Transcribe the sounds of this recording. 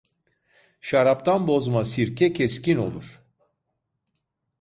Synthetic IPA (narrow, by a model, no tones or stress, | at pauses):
ʃaɾap̚t̪ʰanbo̞zmasiɾcʲʰɛcʰɛscino̞̰lˠuɾ̝̥